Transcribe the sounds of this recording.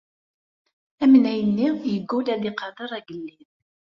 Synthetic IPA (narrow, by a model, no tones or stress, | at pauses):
æmnæjənːijəɡːulæðiqɑd̪əɾˤæɡəlːið